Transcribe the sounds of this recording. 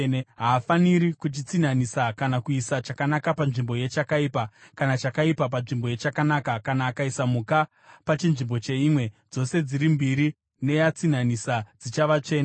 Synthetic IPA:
ɦaːfaniɾikut͡ʃit͡sin̤anisakanakuisat͡ʃakanakapanʐimbo̞je̞t͡ʃakaiːpakanat͡ʃakaipap̬anʐimbo̞je̞t͡ʃakanaːkakanaːkaisamuka | pat͡ʃinʐimbo̞t͡ʃe̞imwe̞d͡zo̞se̞d͡ziɾimbiɾi | ne̞jat͡sin̤anisad͡zit͡ʃaʋat͡ʂe̞ːna

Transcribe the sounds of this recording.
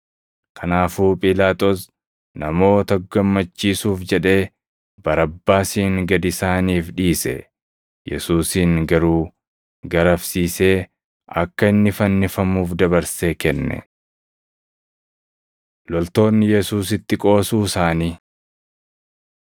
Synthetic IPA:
kʰɐnaːfuːpʼɪlaːt̪ʼos | nɐmo̞ːt̪ɐɡɐmːɐt͡ʃːiːsuːfd͡ʒɛᶑe̞ː | b̥ɐɾɐbːaːsiːŋɡɐd̪ɪsaːniːfᶑiːsɛ̰ | jɛ̰suːsiːŋɡɐɾuː | ɡɐɾɐfsiːse̞ː | ɐ̰kːɐɪnːɪfɐnːɪfɐmuːfd̪ɐβɐɾseːkɛnːɛ̰ | lɔlt̪o̞ːnːɪjɛsuːsɪt̪ːɪkʼo̞ːsuːsaːniː

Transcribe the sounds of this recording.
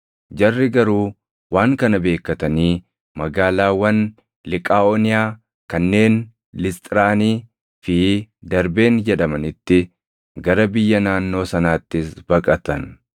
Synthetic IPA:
d͡ʒɐrːɪɡɐɾuː | waːŋkɐnɐbe̞ːkːɐt̪ɐniː | mɐɡaːlaːwɐn | lɪkʼaːoːnɪjaː | kɐnːe̞ːn | lɪst̪ʼɪɾaːniː | fɪd̪ɐɾbe̞ːnd͡ʒɛᶑɐmɐnɪt̪ːɪ | ɡɐɾɐbɪjːɐnaːnːo̞ːsɐnaːt̪ːɪsb̥ɐkʼɐt̪ɐn

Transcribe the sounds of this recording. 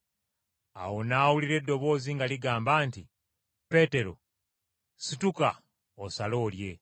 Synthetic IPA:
a̰wo̞naːwuliɾe̞dːo̞βo̞ːziŋɡaliɡaːmbaːnti | pe̞ːte̞ɾo̞̰ | situka | osalo̞ːlje̞

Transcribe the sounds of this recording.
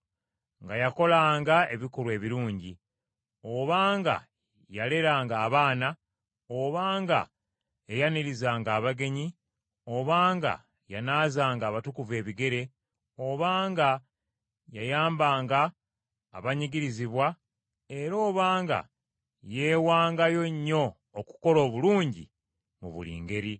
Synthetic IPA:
ŋɡajako̞laːŋɡae̞βikuɾwe̞ːβiɾuːɲɟi | o̞βaːŋɡa̰ | jale̞ɾaːŋɡaːβaːna | oβaːŋɡa̰ | ejaniɾizaːŋɡaːβaɡe̞ɲi | o̞βaːŋɡa̰ | janaːzaːŋɡaːβatukuve̞ːβiɡe̞ɾe̞ | o̞βaːŋɡa | jajaːmbaːŋɡaː | βaɲiɡiɾiziβwa | e̞ɾo̞ːβaːŋɡa̰ | je̞ːwaːŋɡajo̞ɲːo̞ː | ku̥ko̞lo̞ːβuluːɲɟḭ | mṵβṵlḭːŋɡe̞ɾi

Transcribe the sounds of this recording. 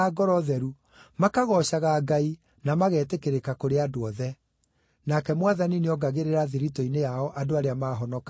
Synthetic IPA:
aɡɔɾɔðɛɾu | makaɣɔɕaɣaːɡai | namaɣɛːtekeɾekakoɾeadoɔðɛ | nakɛmwaðanineɔɡaɣeɾeɾaðiɾitɔinejaɔʔadoaɾeamaːɦɔnɔka

